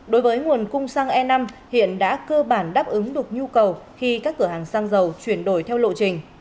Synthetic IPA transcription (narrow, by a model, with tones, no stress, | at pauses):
ɗo˨˦jvəː˨˦jŋu˨˩ənkʊ˧ŋ͡msaː˧ŋʔɛ˧na˧mhḭ˧˨ənɗa̰ː˧˥kəː˧ɓaː˧˩nɗaː˦˥p̚ʔɨ˨˦ŋɗɨ˨˩ək̚ɲu˧kə˨˩wxi˧kaː˦˥kːɨ˧˩əɦaː˨˩ŋsaː˧ŋzə˨˩wt͡ɕwi˧˩ənɗo˧˩jt̪ʰɛ˧wlo̰˧˨t͡ɕï˨˩ŋ̟